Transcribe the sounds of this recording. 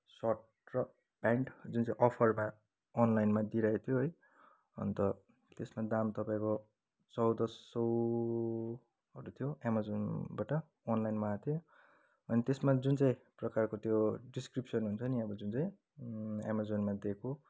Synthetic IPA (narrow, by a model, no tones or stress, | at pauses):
saʈ | rʌ | b̥aɳʈd͡zunt͡saĩʔʌpʰʌrma | ʌnlajnmad̪iɾaet̪ʰjoɦʌj | ʌ̰nt̪ʌ | t̪esmad̪amt̪ʌpaĩko | t͡sʌwd̪ʌsʌw | ɦʌɾut̪ʰijoamad͡zonbaʈʌː | nlajnmaat̪ʰijo | ʌnit̪esmad͡zunt͡saĩprʌkarkot̪joɖiskripsʌnɦunt͡sʰʌniʌbʌd͡zunt͡saĩ | a̰mad͡zonmad̪ekʰo